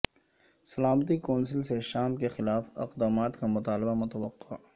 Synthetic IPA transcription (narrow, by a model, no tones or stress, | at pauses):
sɐlaːmət̪̬ikɔːns̬əlseʃaːmkexɪlaːfɪ̰qd̪aːmaːt̪kamʊt̪aːlɪbamʊt̪ɐwəqːaː